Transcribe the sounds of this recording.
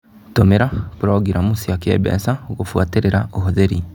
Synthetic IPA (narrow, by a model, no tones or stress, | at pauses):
tomeɾakuɾaɡiɾamusiakiḛbɛ̰saoɣofwateɾeɾaoɦoðeɾi